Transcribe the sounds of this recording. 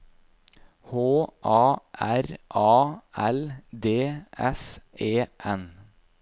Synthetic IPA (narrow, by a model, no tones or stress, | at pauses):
hoːʔɑːʔæɾʔɑːæld̪eːʔɛ̰seːʔɛn